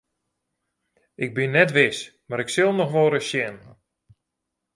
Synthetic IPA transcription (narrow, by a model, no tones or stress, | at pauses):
ʔɪɡ̚bɪnːɛtʋɪsmaɾɪksɪlˠnɔxʋoːɾəsjɛn